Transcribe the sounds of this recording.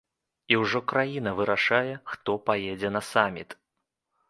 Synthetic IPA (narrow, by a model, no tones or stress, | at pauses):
iwʐɔkɾajinɐvɨɾaʂajɛxt̪ɔpajɛd͡zʲɛnɐsamʲit̪